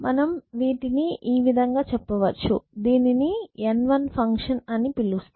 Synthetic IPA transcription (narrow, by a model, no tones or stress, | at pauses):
mʔɐnɐmʋiːʈiniiːʋid̪ʱɐŋɡaːt͡ʃɛpːɐʋɐt͡ʃːud̪iːninienʋɐnpʰɐŋkʂɐnɐnipilːust̪